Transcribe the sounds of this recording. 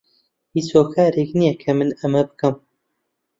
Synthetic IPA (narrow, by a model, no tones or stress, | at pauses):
hit͡ʃhoːkʰaːɾeknijɛkʰɐmɨnɐmɐbɨkɐm